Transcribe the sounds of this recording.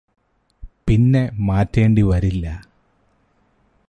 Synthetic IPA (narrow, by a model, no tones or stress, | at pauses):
pinːe̞maːtːe̞ːɳɖiʋɐɾilːɐ